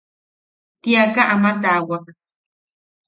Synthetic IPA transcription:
t̪iakaʔamat̪awak

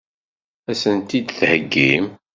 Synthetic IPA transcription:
æsənt̪id̪θhəɡːim

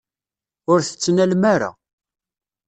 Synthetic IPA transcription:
ʊɾθə̥t͡sːnælmaɾa̰

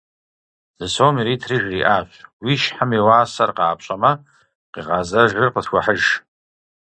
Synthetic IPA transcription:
z̥ɨsomiɾitʰrɨʒriʔat͡ʃʷʰʼwiʃħamiwaːsarqaːpʰʃʷʼama | qʼiqʼazaʒɨrqʼətʰkʷʰaħəʒ

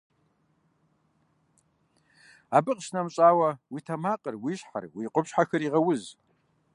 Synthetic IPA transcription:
abɨqʼʃnɐmɕʼaːwɐwitʰamaqʼərwiɕħa̰rwiːqʷʼʊpʃħaxɐɾiʁɐwʊz

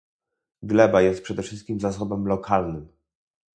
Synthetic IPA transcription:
ɡlɛbajɛst̪̚pʂɛd̪ɛfʂɘst̪̚kʲimzas̬ɔbɛmlɔkʰalnɘm

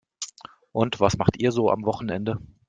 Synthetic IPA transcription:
ʔʊntv̥asmaχtʔiːɐzoːʔa̰mvɔχn̩ɛndə

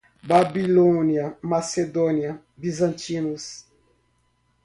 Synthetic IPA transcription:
babilõniɐmased̪õnjɐ | bizɐ̃nt͡ʃinus

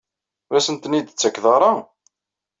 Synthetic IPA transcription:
ɾæsənt̪ənid̪t͡sːækðɑɾˤɑ

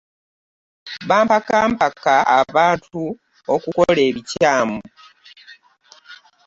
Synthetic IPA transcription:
βaːmpakaːmpakːaʔa̰βaːntu | okuko̞leːβicaːmu

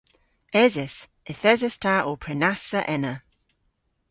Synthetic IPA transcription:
ɛzɛs | ɛθɛzɛstʰaʔɔːpʰɹ̥ɛnasəʔɛnə

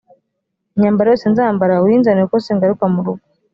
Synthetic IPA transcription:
ɲambaɾjɔsɛnzambaɾawinzanekɔsɛŋɡaɾukamuɾuɡu

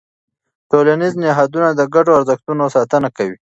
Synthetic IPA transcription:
tolaniznɪɦɑd̪unad̪əɡaɖoaɾzəxt̪unosɑt̪ənakawi

